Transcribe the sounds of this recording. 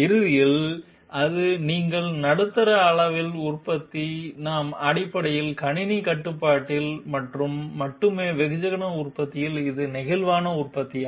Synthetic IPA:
ɪɾɯðɪjɪl | ʔɐðɯniːŋɡɐɭnɐɽɯt̪ːɐɾɐːɭɐʋɪlʊrpɐt̪ːinaːmɐɽɪpːɐɽɐjɪlkɐɳɪnikɐʈːɯpːaːʈːɪlmɐʈrɯmːɐʈːɯmeːʋɛɣɯd͡ʒɐɣɐnɐʊrpɐt̪ːɪjɪlɪðɯnɪɣɐlʋaːnɐʊrpɐt̪ːi

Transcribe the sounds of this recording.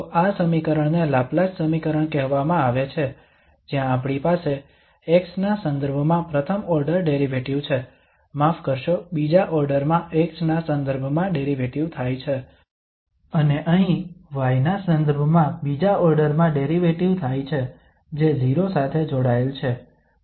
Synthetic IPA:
t̪oʔasəmikəɾəɳnelaplad͡ʒsəmikəɾəɳkɛɦʋamãaʋet͡ʃʰe | d͡ʒjãːpɳipase | eksnasənd̪əɾbʱəmãpɾət̪ʰəmɔɾɖəɾɖeɾiʋeʈiʋt͡ʃʰe | mafkəɾʃobid͡ʒaʔɔɾɖəɾmãʔeksnasə̃nd̪əɾbʱmãɖeɾiʋeʈiʋt̪ʰajt͡ʃʰe | əneʔəɦĩʋajnasənd̪əɾbʱmãbid͡ʒaɔɾɖəɾmãɖeɾiʋeʈiʋt̪ʰajt͡ʃʰe | d͡ʒed͡ʒiɾosat̪ʰed͡ʒoɽaelt͡ʃʰe

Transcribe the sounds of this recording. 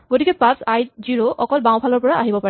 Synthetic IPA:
ɡotikɛpãsajziɹoʔɔkɔlbãw̃pʰalɔɹpɔɹaʔaɦibɔpaɹɛ

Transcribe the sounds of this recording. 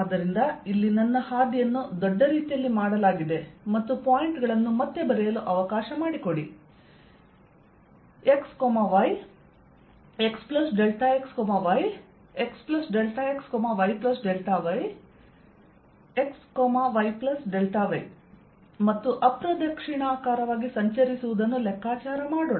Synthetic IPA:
aːd̪ɐɾind̪ɐilːinɐnːɐhaːd̪ijɐnːud̪ɔɖːɐɾiːt̪ijɐlːimaːɽɐlaːɡid̪e̞mɐt̪ːupaːjiɳʈɡɐɭɐnːumɐt̪ːe̞bɐɾɛjɐluʔɐʋɐkaːʃɐmaːɽiko̞ɽi | e̞kskoːmaʋɐj | e̞ksplɐsɖelʈaekskoːmaʋɐj | eksplɐsɖelʈaːekskoːmaʋɐjplɐsɖelʈaʋɐj | ekskoːmaʋɐjplɐsɖelʈaʋɐj | mɐt̪ːuʔɐpɾɐd̪ɐkʂiɳaːkaːɾɐʋaːɡisɐɲt͡ʃɐɾisuʋud̪ɐnːulɛkʰːaːt͡ʃaːɾɐmaːɽo

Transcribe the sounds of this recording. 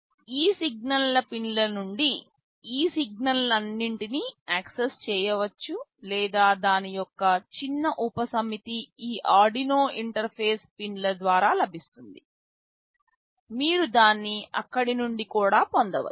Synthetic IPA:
iːsiɡ̚nɐllɐpinlɐnuɳɖi | iːsiɡ̚nɐlɐnːiɳʈiniaːksest͡ʃɛːjɐʋɐt͡ʃːulɛːd̪aːd̪aːnijɔkːɐt͡ʃinːɐʔupɐsɐmit̪iiːʔaːɾɖinoːiɳʈɐɾpʰe̞ːspinlɐd̪ʋaːɾaːlɐbʱist̪und̪i | miːɾud̪aːnːiʔɐ̰kːɐɽinuɳɖikuːɽaːpond̪ɐʋɐ̰

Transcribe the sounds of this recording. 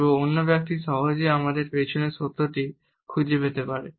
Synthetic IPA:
oonːobak̚t̪iʃɔɦod͡ʑeamad̪eɾpeʃʰoneɾʃot̪ːoʈi | kʰud͡ʑepet̪epaɾe

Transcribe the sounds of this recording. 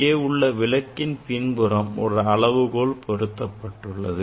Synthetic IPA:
eːʊɭːɐʋɪlɐkːɪnpɪnbɯɾɐmɔ̰ɾɯɐɭɐʋɯɣoːɭpʰɔɾɯt̪ːɐpːɐʈːɯɭːɐðɯ

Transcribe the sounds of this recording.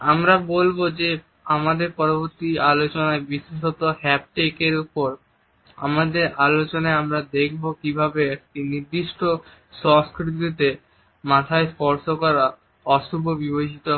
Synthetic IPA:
amɾabolbod͡ʑe | amad̪eɾpɔɾoboɾt̪ialot͡ɕonaebiʃiʃot̪ohɛp̚ʈekeɾupoɾ | a̰mad̪eɾʔalot͡ɕonaeamɾad̪ekʰbokibʱabeɛkʈiniɾd̪iʃʈo | ʃɔŋskɾiit̪it̪e | mat̪ʰaespɔɾʃokɔɾa | ɔʃubʱobibed͡ʑit̪o

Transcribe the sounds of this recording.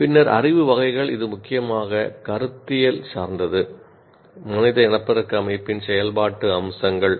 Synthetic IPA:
pɪnːɐɾɐ̰rɪʋɯʋɐɣɐɪɣɐɭɪðɯmʊkːɪjɐmaːɣɐkɐɾɯt̪ːɪjɐlsaːɾnd̪ɐðɯ | mɐnɪðɐɛnɐpːɐɾɐkːɐmɐɪpːɪnsɛjɐlbaːʈːɯɐmsɐŋɡɐɭ

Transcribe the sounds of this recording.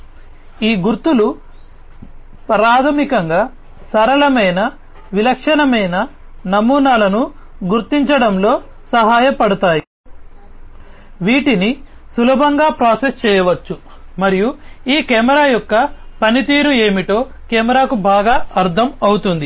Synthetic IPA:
iːɡuɾt̪ulu | pɐɾaːt̪ʰɐmikɐŋɡaː | sɐɾɐlɐmɐjnɐ | ʋilɐkʂɐnɐmɐjnɐ | nɐmuːnaːlɐnu | ɡuɾt̪iɲt͡ʃɐɽɐmlo̞ː | sɐɦaːjɐpɐɽut̪aːji | ʋiːʈini | sulɐbʱɐŋɡaːpɾaːsest͡ʃɛːjɐʋɐt͡ʃːu | mɐɾijuiːkɛːmɐɾaːjɔkːɐpɐnit̪iːɾue̞ːmiʈo̞ː | kɛːmɐɾaːkubʱaːɡaːɐɾt̪ʰɐmɐwut̪und̪i

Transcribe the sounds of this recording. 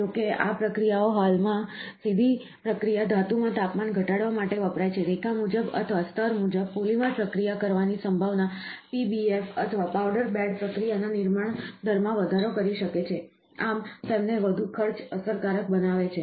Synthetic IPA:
d͡ʒokea̰pɾəkɾijaoɦalmãsid̪ʱi | pɾəkɾijad̪ʱat̪umãt̪apmanɡʱəʈaɽʋamaʈeʋəpɾajt͡ʃʰeɾekʰamud͡ʒəbə̰t̪ʰəʋast̪əɾmud͡ʒəb̚pulimãpɾəkɾijakəɾʋanisəmbʱaʋnapibiefət̪ʰəʋapawɖəɾbɛɖpɾəkɾijananɪɾmaɳd̪ʱəɾmãʋəd̪ʱaɾokəɾiʃəket͡ʃʰe | amt̪emneʋəd̪ʱukʰəɾt͡ʃəsəɾkaɾək̚bənaʋet͡ʃʰe

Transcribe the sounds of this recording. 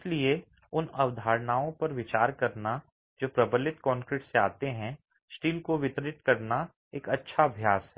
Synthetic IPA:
ɪslie | ʊnɐʋd̪ʱaːɾnaːõpɐɾʋɪt͡ʃaːɾkɐɾna | d͡ʒoːpɾɐbəlɪt̪kɔ̃ːŋkɾɪʈseaːt̪eɦɛ̃ | sʈiːlkoʋɪt̪ɾɪt̪kɐɾna | eːkɐtːʃʰaɐbʱjaːsɦɛː

